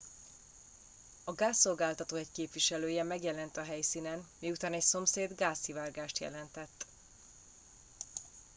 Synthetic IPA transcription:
ɒɡaːsːo̞lɡaːlt̪ɒt̪oːɛckeːpvʋiʃɛløːjɛmɛɡjɛlɛnt̪ɒɦɛjsiːnɛnmiːut̪aːnɛcso̞mseːd̪ɡaːsivaːrɡaːʃt̪jɛ̰lɛnt̪ɛt̪ː

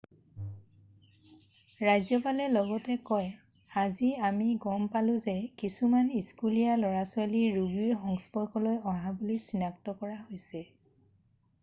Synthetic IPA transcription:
ɹajzɔpalɛlɔɡɔtɛkɔj | aziamiɡɔmpalʊ̃zɛkisumaniskulijalɔɹasʊaliɹubiɹxɔŋspɔkɔlojɔɦãbulisinaktɔkɔɹaɦojsɛ

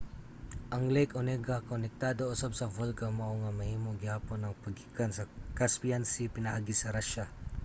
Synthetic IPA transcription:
ʔɐŋlɛjkonɛɡɐkonɛk̚t̪ad̪oʔʊsabsɐvolkɐmɐʔoŋɐmɐhiːmoɡɪhaːponːɐŋpɐɡikɐnsɐkaspiansipɪnɐʔaɡisɐɾaʃɐ

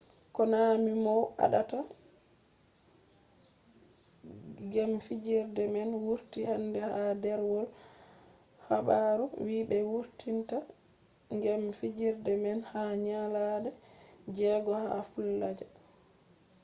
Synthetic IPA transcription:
kɔnamimɔwʔa̰ɗata | ɡɛmfid͡ʒiɾdɛmɛnwuɾtihandɛhadɛɾwɔl | haɓaɾuwiːbɛwuɾtinta | ŋɡɛmfid͡ʒiɾdɛmɛnhaɲaladɛd͡ʒɛɡɔha̰fulːad͡ʒa

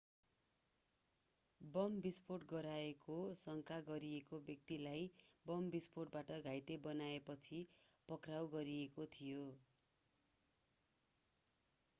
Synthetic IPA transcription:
bʌmbisporʈɡʌɾaekosʌŋkʰaɡʌɾiekobjʌk̚t̪ilajbʌmbisporʈ̚baʈʌɡʱajt̪ebʌnaepʌt͡sʰipʌkrawɡʌɾiekot̪ʰijo

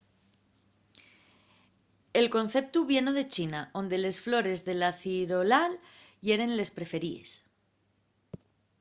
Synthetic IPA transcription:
e̞lko̞nθe̞p̚t̪uβje̞noð̞e̞t͡ʃinao̞nd̪e̞le̞sflo̞ɾe̞zðe̞laθiɾo̞lal | ʝe̞ɾe̞nle̞spɾe̞fe̞ɾie̞̰s

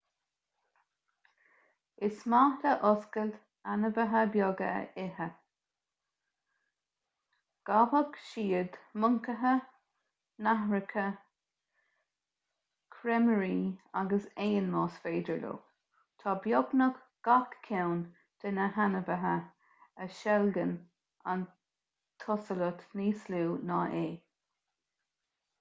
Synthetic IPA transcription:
ɪsmaːhləʔɔskəl | anəvəɦəbjɔɡə̰ʔɪhə | ɡ̥abəɡʃiːəd̪mʊŋkəɦə | naɦɹəkʰə | kʰɾɛməɹiːaɡəseːənlɑːsfeːdəɹlo̰ː | t̪ʰɑːbjɔɡnək | ɡ̥akkʰːɛwn | d̪̥ənəhanəvəɦə | əʃɛlɡən | an | t̪ʰɔsələt̪niːsluːnɑːʔeː

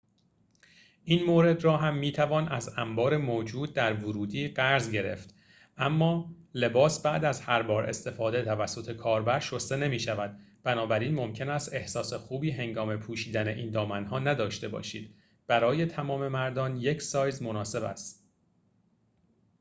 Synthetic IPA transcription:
ʔiːnmoːɾe̞d̪ɾɒːɦæmːiːt̪ʰævɒːnæzæmbɒːɾe̞moːd͡ʒuːd̪̚d̪æɾvoɾuːd̪iːɢæɾzɟe̞ɾe̞̰ft̪ | ʔæmːɒːle̞bɒːsbæʔd̪æzhæɾbɒːɾʔe̞̰st̪e̞fɒːd̪e̞t̪ʰævæsːo̞t̪ʰe̞kʰɒːɾbæɾʃost̪e̞ne̞miːʃævæd̪̚b̥ænɒːbæɾinmo̞mcʰe̞næst̪e̞hsɒːse̞xuːbiːɦe̞ŋɡɒːme̞pʰuːʃiːd̪æne̞ʔiːnd̪ɒːmænɦɒːnæd̪ɒːʃt̪e̞bɒ̰ːʃḭːd̪̥ | b̥æɾɒːjet̪ʰæmɒːme̞mæɾd̪ɒːnje̞cʰsɒːjzmo̞nɒːse̞bæ̰st̪

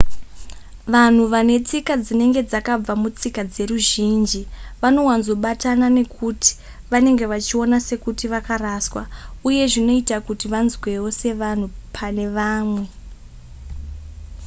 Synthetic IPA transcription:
ʋan̤uʋane̞t͡sikad͡zine̞ŋɡe̞d͡zakab͡vamut͡sikad͡ze̞ɾuʒind͡ʒiʋano̞wanzo̞ɓatanane̞kʰuti̥ | ʋane̞ŋɡe̞ʋat͡ʃio̞nase̞kutiʋakaɾaːswauje̞ʐino̞itakutiʋanzwe̞wo̞se̞ʋan̤upʰane̞ʋaːmwe̞

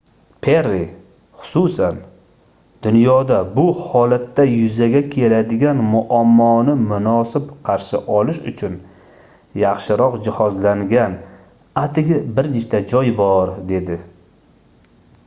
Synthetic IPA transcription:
pʰeɾːi | χʊ̥susan | d̪ʊnjɒd̪abʊhɒlat̪ːajʊzaɡʲakʲʰe̞lad̪ɪɡʲanmʊʔamːɒnɪmʊnɒsɪpqʰɑɾʃɪʔɒlɪʃʊt͡ʃʰʊn | jɑχʃɪɾɒqd͡ʒɪhɒzlaŋɡʲan | at̪ʰɪɡʲɪbɪɾneʃt̪ad͡ʒɒjbɒɾd̪e̞d̪ɪ

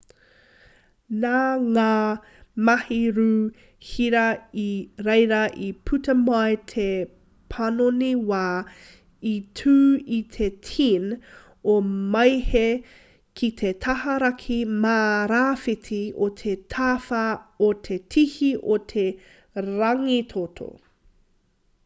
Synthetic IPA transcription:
naːŋaː | mɐhiɾu | hiɾɐiɾejɾɐʔipʰʉtɐmajtʰe | pʰɐnoniwaː | itʰʉːit̪ʰetʰin | omɐjhe | kʰit̪ʰet̪ʰɐhɐɾɐkʰimaːɾaːfitʰiot̪ʰet̪ʰaːfaot̪ʰetʰihiʔot̪ʰe | ɾɐŋit̪ʰot̪ʰo̰

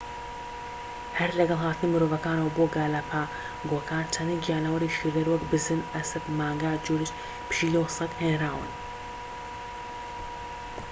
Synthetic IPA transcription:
hɐɾlɐɡɐlˠɦaːt̪ɨnimɨɾoːvɐkaːnɐwɐboːɡaːlapʰaː | ɡoːkʰaːnt̪ʰɐniɡijaːnɐwɐɾiʃileɾwɐkbɨzɨnɐsɐbmaːŋɡad͡ʒuːɾiʃ | pɨ̥ʃiːlowsɨk̪henraːwɨ̰n

